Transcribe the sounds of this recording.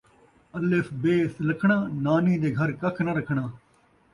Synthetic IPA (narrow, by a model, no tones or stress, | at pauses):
əlɪfʰbeːsləkʰɳ̃aːnaːnĩːd̪eːɡʱəɾkəkʰnəɾəkʰɳaː